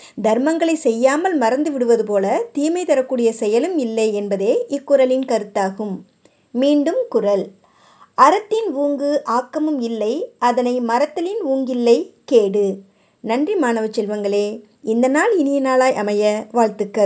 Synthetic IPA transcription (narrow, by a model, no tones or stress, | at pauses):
d̪ʱɐɾmɐŋɡɐɭɐɪsɛjːaːmɐlmɐɾɐnd̪ɯʋɪɽɯʋɐðɯpoːlɐt̪iːmɐɪt̪ɐɾɐkːuːɽɪjɐsɛjɐlɯmɪlːɐɪɛnbɐðeːʔɪkːʊɾɐlɪnkɐɾɯt̪ːaːɣɯmː | iːɳɖɯmkʊrɐl | ɐɾɐt̪ːɪnuːŋɡɯʔaːkːɐmɯmɪlːɐɪɐðɐnɐɪmɐɾɐt̪ːɐlɪnuːŋɡɪlːɐɪkeːɽɯ | nɐndrimaːnɐʋɐt͡ʃːɛlʋɐŋɡɐɭeː | ɪnd̪ɐnaːlɪnɪjɐnaːlaːjʔɐmɐjɐʋaːɭt̪ɯkːɐ